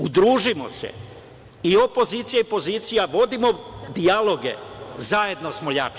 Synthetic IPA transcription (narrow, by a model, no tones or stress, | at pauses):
ud̪ɾuːʒimo̞̰sḛ | io̞po̞ziːt̪sijaipo̞ziːt̪sijaʋo̞d̪imo̞d̪ialˠo̞ɡe̞̰zaje̞d̪nosmoʎat͡ʃ